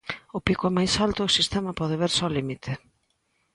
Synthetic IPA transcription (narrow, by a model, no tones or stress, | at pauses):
ʊpikwɛmajsalt̪ʊʊsist̪ɛmɐpɔðeβeɾsɔlimit̪ʰɪ